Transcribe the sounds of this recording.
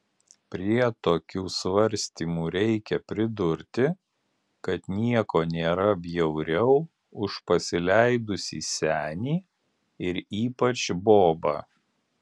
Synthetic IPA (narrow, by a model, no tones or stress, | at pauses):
pʲɾʲiɛt̪oːkʲuːsʋɐɾʲsʲt̪ʲiːmuːɾʲɛɪkʲɛpʲɾʲɪd̪ʊɾʲt̪ʲɪ | kɐt̪nʲiɛkoːnʲeːɾɐbʲjɛʊɾʲɛʊ | ʊʃpɐsʲɪlʲæɪd̪ʊsʲḭːsʲæːnʲiː | ɪɾiːpɐt͡ʃboːbɑ̰ː